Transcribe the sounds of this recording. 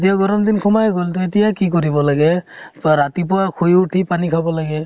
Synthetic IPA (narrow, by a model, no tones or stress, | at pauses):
t̬ijaɡɔɾɔmd̪inkʰɔmajɡoltetijakik̬oɹibɔlaɡɛɹatipʊwakʰujuʈʰipanikʰabɔlaɡɛ